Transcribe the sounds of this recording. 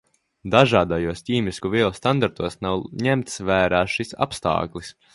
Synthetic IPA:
d̪aʒaːd̪ajuɔstʲiːmiskuviɛlˠst̪and̪aɾt̪uɔsnawɲɛmt̪svæːɾaːʃisa̰pst̪a̰ːklˠis

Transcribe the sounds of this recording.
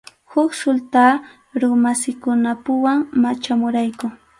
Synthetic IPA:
hʊksʊlt̪aː | ɾʊmasɪkʊnapʊwaŋmat͡ʃamʊɾajkʊ

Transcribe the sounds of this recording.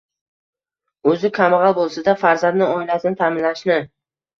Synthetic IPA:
ɵzɪkʲʰamʁɑlˠbolˠsad̪afaɾzand̪nɪɒjlasɪnt̪ʰamɪnlaʃnɪ

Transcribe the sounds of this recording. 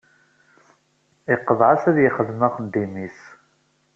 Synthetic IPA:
ɪqːəðˤʕasæðjəχəðmæχənd̪imis

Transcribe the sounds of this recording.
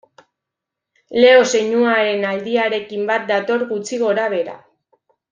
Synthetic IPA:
le̞o̞se̞ɲuaɾe̞nald̪iaɾe̞kimbat̪̚d̪at̪o̞ɾɣut͡siɣo̞ɾaβ̞e̞ɾa̰

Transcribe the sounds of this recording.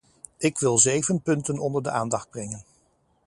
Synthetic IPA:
ɪkʋɪlˠzejvənpɵntənɔndəɹdəʔaːndɑχd̚brɛŋən

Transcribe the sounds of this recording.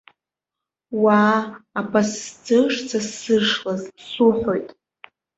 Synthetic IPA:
waːpʰʼasd͡zɨʂt͡sʰasɨʂlazsuħʷojtʼ

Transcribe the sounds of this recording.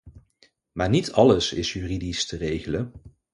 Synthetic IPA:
maːɹnitʰɑləsɪ̰sjyːridistərejχələn

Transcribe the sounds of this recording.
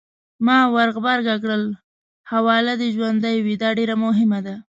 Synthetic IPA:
mɑwaɾɣbaɾɡakɽəl | hawɑlad̪əʒwand̪əjwid̪ɑɖeɾamʊɦɪmad̪a

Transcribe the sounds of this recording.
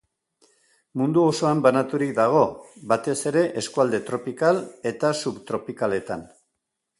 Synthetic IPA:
mund̪uo̞so̞ambanat̪uɾik̚d̪aɣ̞o̞bat̪e̞se̞ɾe̞ʔe̞skuald̪e̞t̪ɾo̞pikale̞t̪asuβt̪ɾo̞pikale̞t̪a̰n

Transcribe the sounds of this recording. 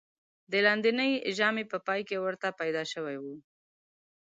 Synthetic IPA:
d̪əlɑnd̪inəjʒɑmepəpɑjkewəɾt̪apajd̪ɑʃəwajwu

